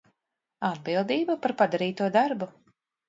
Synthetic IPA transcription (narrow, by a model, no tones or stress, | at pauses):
ad̪̚bilˠd̪iːbapaɾpad̪aɾiːt̪uɔd̪aɾbu